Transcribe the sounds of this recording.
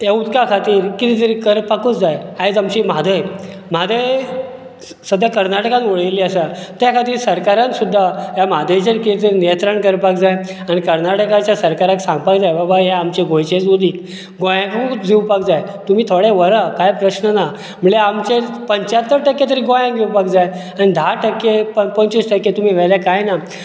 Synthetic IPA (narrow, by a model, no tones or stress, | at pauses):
eut̪kakʰat̪iːɾkit̪it̪əɾikəɾpakut͡sd͡zajaed͡zamt͡ɕimad̪ʱəj | m̤ad̪ʱəj | səd̪ʱjakəɾnaʈəkãnoɭəjliːəsat̪jakʰat̪iːɾsəɾkaɾãnsud̪ʱːaɦjamad̪ʱəjt͡ɕənkit̪əɾinijə̃nt̪ɾəɳkəɾpakd͡zaj | aɽ̃ikəɾnaʈəkãt͡ɕjasəɾkaɾaksãŋɡ̚pakd͡zajbabaɦaamt͡ɕeɡõjt͡ɕed͡zud̪iː | ɡojãkũd͡ziwpakd͡zajt̪um̤iːt̪ʰoɽeʋəɾəkajpɾəɕnəna | m̤əleamt͡ɕepəɲt͡ɕat̪ːəɾʈəkːet̪̬əɾiːɡojãɡewpakd͡zaj | anid̪ʱaʈəkːepəpəɲt͡ɕisʈəkːet̪um̤iːʋɛljakajna